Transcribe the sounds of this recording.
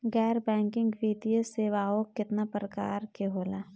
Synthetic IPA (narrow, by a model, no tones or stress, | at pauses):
ɣɛːɾbɛ̃ːŋkɪ̃ŋɡʋiːt̪ijəseːʋaːokːɪt̪napɾəka̰ːɾkeɦoːlaː